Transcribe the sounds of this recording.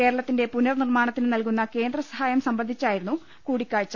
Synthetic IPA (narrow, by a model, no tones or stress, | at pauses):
ke̞ːɾɐɭɐt̪ːinde̞punɐrnirmaːɳɐt̪ːinnɐlkunːɐke̞ːnd̪rɐsɐhaːjɐmsɐmbɐnd̪ʱit͡ɕːaːjiɾunːu | kuːɽikʲːaːɻt͡ɕːɐ